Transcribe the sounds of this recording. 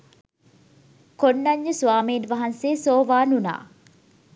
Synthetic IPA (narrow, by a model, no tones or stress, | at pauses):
konːɐɲːəsuʋaːmiːnʋaɦɐnseːsoːʋaːnuna̰ː